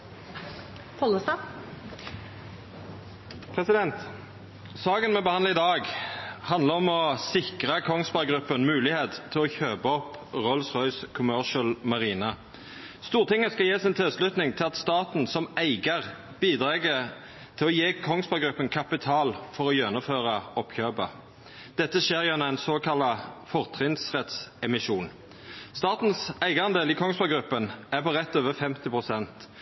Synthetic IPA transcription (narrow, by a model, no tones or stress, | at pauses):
pʰɔləsɑ | pʰʁɛsɪd̪ɛnt̪ | sɑːkənmɛbəhɑnd̪ɪd̪ɑːɡhɑnd̪əʁɔmɔsɪkʁəkʰɔŋspɑɡʁʉpːənmʉːlɪheːt̪t̪ʰːɪlɔçøːbɔpʁɔlsʁɔʏskʰʊmœʁʃəlmɑʁiːnɑ | st̪uːʁt̪ʰɪŋːəskɑjeːsɪnt̪ʰɪlslʉt̪nɪŋt̪ʰɪlɑt̪st̪ɑːt̪n̩sɔmæɪɡəʁ | b̥iːd̪ʁɑːɡə | t̪ʰɪlɔjeːkʰɔŋsbɑɡʁʉpːənkʰɑpɪt̪ʰɑːlfɔʁɔjœnʊføːʁɑɔpçøːbɑ | d̪̥ɛt̪ːəʃeːʁjɛnəæɪnsoːkʰɑlɑfɔʁt̪ʰʁɪnt̪sʁɛt̪sɛmɪʃuːn | st̪ɑːt̪n̩sæɪɡɑɑnd̪eːliːkʰɔŋsbɑɡɾʉpːənæʁpɔʁɛt̪ːøːʋəfɛmt̪ɪpʁʊsɛnt̪